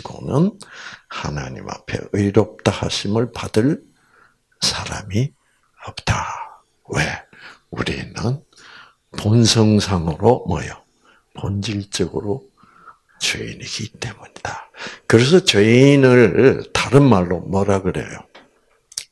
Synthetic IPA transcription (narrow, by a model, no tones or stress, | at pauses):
iɡo̰nɯnhana̰ɲima̰pʰe̞̰ɯiɾʌp̚t͈ahaɕʰimɯɭpad̥ɯɭ | sʰaɾa̰mi | ʌp̚t͈a | weṵɾḭnɯn | ponsʰʌŋsʰaŋɯɾomʌ̰jʌ | pond͡ʑiɭt͡ɕ͈ʌɡɯɾo | t͡ɕeḭniɡit͈e̞muɲid̥akɯɾe̞sʰʌt͡ɕenɯɭtaɾɯnmaɭːomwʌɾaɡɯɾe̞̰jo